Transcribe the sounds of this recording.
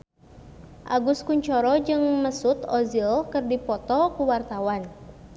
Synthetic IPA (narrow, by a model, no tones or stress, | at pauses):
ʔa̰ɡuskuɲt͡ʃɔɾɔd͡ʒɨŋməsut̪ɔzilkərdipɔt̪ɔkuwart̪awan